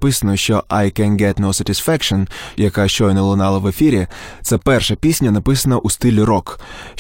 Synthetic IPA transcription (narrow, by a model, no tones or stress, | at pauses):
pɪsɐnɔʃt͡ʃɔʔajkɛnɡɛt̪nowsɐtʲisfɛkʃɔnjɐkaʃt͡ʃɔjnɐlˠʊnɑlˠɐʋefʲiɾʲit̪sɛpɛrʃɛpʲisʲnʲɐnɐpɪsɐnɐʔust̪ɪlʲiɾɔk